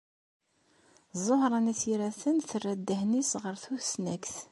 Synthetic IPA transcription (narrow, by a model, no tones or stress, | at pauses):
zˤːohɾˤənæθiɾæθənθərːæd̪ːəhnisʁəɾθuθsnækθ